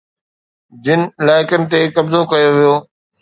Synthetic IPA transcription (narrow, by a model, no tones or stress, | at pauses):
d͡ʑɪnɪ̆ɪlaːɪkənɪ̆t̪ekɐbzokɐjoʋijoː